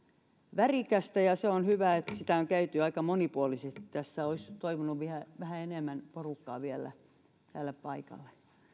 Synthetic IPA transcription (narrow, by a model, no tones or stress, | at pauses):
ʋærikæst̪æjɑseonhyʋæet̪sit̪æˑoŋkæyt̪yɑikɑmonipuolisett̪æsːæoist̪oiʋunuʋʋihæʋæhæenemːænporukːɑ̰ːʋielːˑæ̰ | t̪æːlːeppɑikɑ̰lːe̥